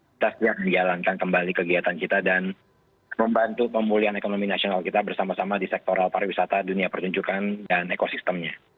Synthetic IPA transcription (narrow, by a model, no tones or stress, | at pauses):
t̪ast̪iaʔ̚mənd͡ʒalankankəmbalikəɡiɦat̪ankit̪adan | məmbant̪upəmulianekonominasionalkit̪abərsamasamadisɛk̚t̪oɾalpaɾwisat̪aduniapərt̪uɲd͡ʒukandanekosist̪əmɲa